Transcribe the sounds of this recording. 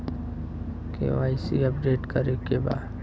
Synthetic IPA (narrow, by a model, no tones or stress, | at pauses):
kḛaːisiɐpɖeːʈkəɾekeba̰ːd̪